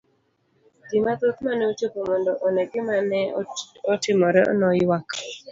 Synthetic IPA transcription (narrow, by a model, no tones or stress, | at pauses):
dimat̪ot̪maneot͡ʃokomɔndɔʔɔnɛɡɪmanɛɔtɪmɔɾɛɔ̰nɔjwak